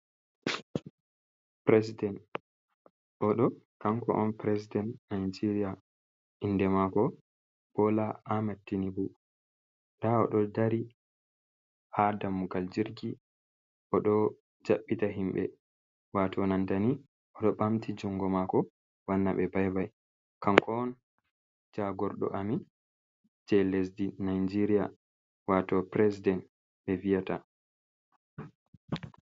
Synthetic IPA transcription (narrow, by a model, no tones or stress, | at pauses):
pɾes̬idɛnt | ʔɔɗɔkaŋkɔ̰ʔɔnpɾesidɛntnajd͡ʒiɾija | ʔindɛmakɔ | b̥ɔlaʔamatːinibu | daɔ̰ɗɔdaɾi | hadamːuɡald͡ʒiɾɡi | ʔɔɗɔ | d͡ʒaɓːitaɦimɓɛ̰ | watɔnantani | ɔɗɔɓamtʰid͡ʒuŋɡɔmakɔ | wanːaɓɛbajbaj | kaŋkʰɔn | d͡ʒaɡɔɾɗɔ̰ʔami | d͡ʒɛlesdinajd͡ʒiɾija | watɔpɾɛsidɛnt | ɓɛvijata